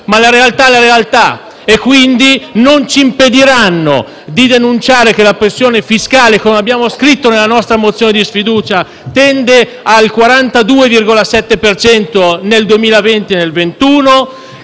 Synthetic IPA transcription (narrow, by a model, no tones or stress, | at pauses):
malaɾealt̪aɛlaɾealt̪a | ekːwind̪inont͡ʃiːmped̪iɾanːo̰ | d̪id̪enunt͡ʃaːɾek̟elapɾesːjoːnefiskaːlekomeabːjaːmoskɾit̪ːonelːanɔst̪ɾamot̪sːjoːned̪isfid̪uːt͡ʃa | t̪ɛnd̪e | alkwaɾant̪ad̪uːevirɡolasɛt̪ːepert͡ʃɛnt̪oneld̪uemiːlavent̪inelvent̪uːno